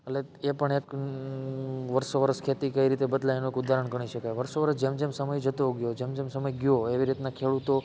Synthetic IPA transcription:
əleepəɳek | ʋəɾʃoʋəɾəskʰet̪ikəiɾit̪ebəd̪lajnoekud̪ʱaɾəɳɡəɳ̃iʃəkajʋəɾsoʋəɾəsd͡ʒemd͡ʒemsəməjd͡ʒət̪oɡjod͡ʒemd͡ʒemsəməjɡjoeʋiɾit̪nakʰeɭut̪o

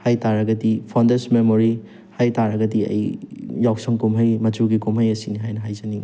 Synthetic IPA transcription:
hajtaɾɐɡɐdipʰandesmemoɾi | hajtaɾɐɡɐdiɐ̰jjawk̚sɔŋkumɦɐjmɐtuɡikomɦɐjɐsiniɦajnɐɦajzani

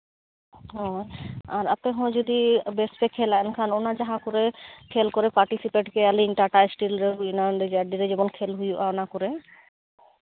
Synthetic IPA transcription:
ɦɔ̃jaɾa̰pɛɦɔ̃d͡ʒɔd̪ibɛspɛkʰːɛlaɛnkʰanɔnad͡ʒaɦãkɔɾɛkʰelkɔɾɛpaɾʈisipeʈkɛaliŋʈaʈasʈilɾeɦujnaɳɖɛd͡ʒaɖiɾɛd͡ʒɛbɔnkʰelɦujuʔaɔnakɔɾɛ

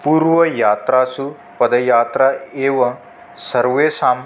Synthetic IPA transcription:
puːɾʋɐjaːt̪ɾaːsu | pɐd̪ɐjaːt̪ɾaeːʋɐ | sɐɾʋeːsaːm

